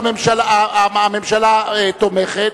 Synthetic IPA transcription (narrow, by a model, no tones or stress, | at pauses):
memʃalaame̞mʃalaet̪ːomeχet̪